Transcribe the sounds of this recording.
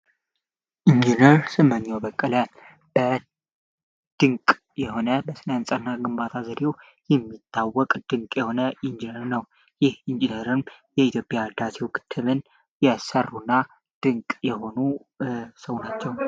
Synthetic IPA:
ʔind͡ʒinəɾsɨmːəɲːawbəkʼːələ | b̥ə | d̪̥ɨŋkʼ | jɛho̞nəbəsɨnənsʼənːaɡɨmbat̪ʰazəd̪ew | jɛmːit̪ʰʼːawːɔkʼd̪̥ɨŋkʼjɛho̞nəʔind͡ʒinəɾnəw | jɪhind͡ʒinəɾɨnmjɛit̪jo̞pʼjad̪asewkʰɨ̥t̪ʰːɨβɨn | jɛsərːunːa | d̪̥ɨŋkʼjɛho̞nu | səwnat͡ʃːɛw

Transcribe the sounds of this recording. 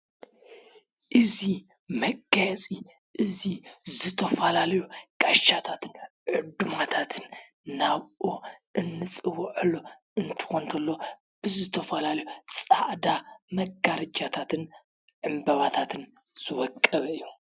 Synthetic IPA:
ʔɨzi | mɐɡajɛt͡sʼi | ʔɨzizɨt̪ʰɐfɐlalɐjuɡʼaʃat̪ʰat̪ʰɨn | ʕɨd̪umat̪ʰat̪ʰɨnː | aβoʔɨnːɨt͡sʼɨwʕɨlːo | ɨnt̪ʰɨ̥xont̪ʰɐlːo | b̥ɨzɨt̪ʰɐfɐlalɐjut͡sʼaʔd̪amɐɡaɾɐd͡ʒat̪ʰat̪ʰɨn | ʕɨmbɐβat̪ʰat̪ʰɨn | z̥ɨwɔkʼːɐβɐɨjːu

